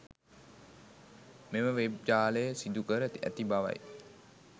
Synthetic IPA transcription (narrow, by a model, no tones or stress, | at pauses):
meməʋeb̚d͡ʒaːləjəsid̪ukəɾəæ̰t̪ibaʋa̰j